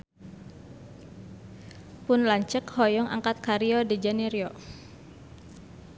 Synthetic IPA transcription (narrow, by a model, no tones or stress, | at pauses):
pʊnlaɲt͡ʃəkhɔjɔŋʔa̰ŋkat̪̚kaɾiɔdid͡ʒaniɾjɔ